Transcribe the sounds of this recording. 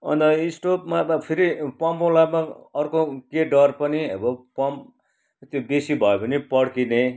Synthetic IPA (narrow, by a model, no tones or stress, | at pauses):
ʌ̰nt̪ʌisʈopmabpʰiɾipʌmpolabmaʌrkokeɖʌrpʌniʌ̰bʌpʌmp | t̪jobesibʱʌopʌnipʌɽkine